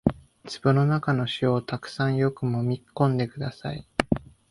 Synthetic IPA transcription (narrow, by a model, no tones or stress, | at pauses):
t͡sɨbɯ̟no̞nakano̞ɕioːt̪akɯ̟̥sãɰ̃jo̞kɯ̟mo̞mʲikkːõ̞nd̪e̞kɯ̟d̪asa̰i